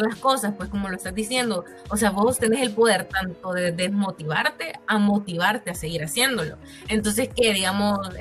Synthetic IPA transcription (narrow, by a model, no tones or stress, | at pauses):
lasko̞saspwe̞sko̞mo̞loest̪azd̪isje̞nd̪o̞ | ose̞aβo̞st̪e̞ne̞se̞lpo̞ðe̞ɾt̪ant̪o̞ðeðe̞zmo̞t̪iβaɾt̪e̞amo̞t̪iβ̞aɾt̪e̞aseɣiɾasje̞nd̪o̞lo̞̰ | e̞nt̪̬o̞ns̬e̞ske̞ðiɣamo̞s